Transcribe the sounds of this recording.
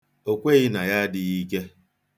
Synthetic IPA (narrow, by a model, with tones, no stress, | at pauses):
o˨kʷe˦˨ɣɪ˦na˨ja˦dɪ˨ɣi˦ke˦